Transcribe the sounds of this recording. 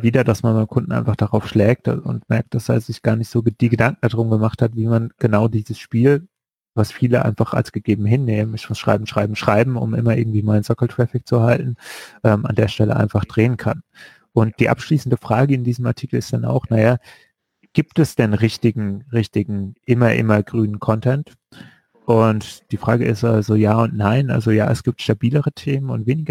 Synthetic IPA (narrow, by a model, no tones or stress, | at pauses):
viːdɐdasmanmaɪnəmkʰʊndn̩ʔa̰ɪnfaχd̥aʁaʊfʃlɛːk̚tʊ̰ntmɛɐk̚t̚d̥asd̥a̰ːzɪçɡ̥aːɐnɪçtz̥oːd̥iːɡədaŋk̚ŋ̩dadʁʊmɡəmaχthatv̥iːmanɡ̥ənaʊdiːzəsʃpiːl | vasfiːləʔa̰ɪnfaχa̰lsɡ̥əɡ̥eːbm̩ɦɪnːeːmənɪçmʊsʃʁ̥a̰ɪbm̩ʃʁ̥a̰ɪbm̩ʃʁ̥aɪbm̩ʊ̰mʔɪmɐʔɪ̰ɐɡŋ̩tv̥iːmaɪnənzɔkl̩tʁ̥ɛfɪk̚t͡suɦaltn̩ʔɛːma̰ndeːɐʃtɛlə̰ʔa̰ɪnfaχd̥ʁeːənkʰan | ʔʊnt̚d̥iːʔa̰pʃliːsn̩dəfʁ̥aːɡəɪndiːzəmaɐtʰiːkl̩ɪstd̥ana̰ʊxnaja | ɡ̥iːp̚tɛsd̥ɛnʁɪçtɪɡŋ̩ʁɪçtɪɡŋ̩ʔɪmɐʔɪ̰mɐɡʁyːnənkʰɔntʰɛnt | ʔʊntd̥iːfʁ̥aːɡəʔɪstʔalzojaːʊntnaɪnʔa̰lzoja̰ːɛ̰sɡ̥iːp̚tʃtabiːləʁətʰeːmənʊ̰ntv̥eːnɪɡɐ